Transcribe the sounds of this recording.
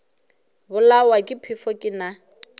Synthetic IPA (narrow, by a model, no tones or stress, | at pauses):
bʊlawakʼɪpʰɪfɔkʼɪna